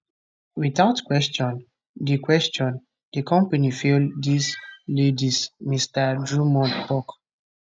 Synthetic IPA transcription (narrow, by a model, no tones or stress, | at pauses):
wiθaʊtkwɛst͡ʃɔ̃n | dikwɛst͡ʃɔ̃n | dikʰɔ̃mpanifildislidismistadɹumɔ̃ndpɔk